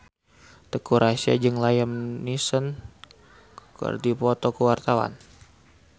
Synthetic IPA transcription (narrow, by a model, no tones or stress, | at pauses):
d̪̥əkuɾasia̰d͡ʒɨŋlajəmnisən | kkɨ̰rdipɔt̪ɔkəwart̪awa̰n